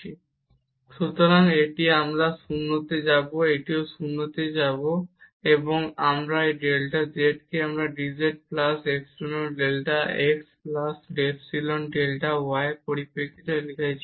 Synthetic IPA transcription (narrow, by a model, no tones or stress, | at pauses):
i | ʃut̪oɾaŋeʈiamɾaʃunːot̪ed͡ʑaboeʈioʃunːot̪ed͡ʑabo | eboŋamɾaeɖelʈad͡ʑeʈkeamɾaɖid͡ʑeʈ̚plaseksunoɖelʈaeksplasɖefsilonɖelʈawaepoɾipːekʰit̪aelikʰat͡ɕʰi